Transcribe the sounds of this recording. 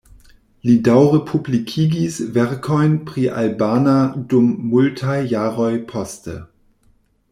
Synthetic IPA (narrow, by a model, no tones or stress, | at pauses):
lidaʊʁepʰublikʰiːɡisvɛʁkʰɔʏnpʁ̥iːʔa̰lbaːnadʊmːʊltʰaɪjaːʁɔʏpʰɔstʰə̰